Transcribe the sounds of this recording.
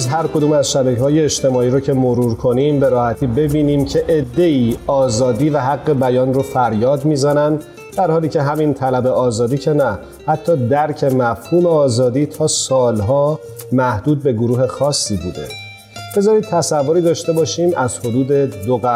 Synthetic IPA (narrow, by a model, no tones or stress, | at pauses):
zɦæɾkʰod̪uːmæzʃæbæcʰɦɒːje̞ːʃt̪e̞mɒːiːɾocʰe̞moɾuːɾkʰo̞nimbe̞ɾɒːhæt̪ʰiːbe̞biːniːmcʰe̞ʔed̪ːe̞iːɒːzɒːd̪iːvæɦæɡːe̞bæjɒːnrofæɾjɒːd̪miːzænæn | d̪̥æɾhɒːliːcʰe̞ɦæmint̪ʰælæbe̞ʔɒːzɒːd̪iːcʰe̞næ | hæt̪ʰːɒːd̪æɾcʰe̞mæfhuːmeɒːzɒːd̪iːt̪ʰɒːsɒːlɦɒː | mæhd̪uːd̪̚be̞ɡoɾuːɦe̞xɒːsːibuːd̪e̞̰ | b̥e̞zɒːɾiːd̪̚t̪ʰæsævːoɾiːd̪ɒːʃt̪e̞bɒːʃiːmæz̥ho̞d̪uːd̪e̞d̪oɣæ